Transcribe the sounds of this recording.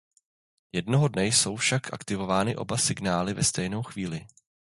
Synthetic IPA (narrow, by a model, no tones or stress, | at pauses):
jɛdno̞ɦo̞dnɛjso̞wfʃakʔa̰kt̪ɪvo̞vaːnɪʔo̞̰basɪɡnaːlɪvɛst̪ɛjno̞wxv̥iːlɪ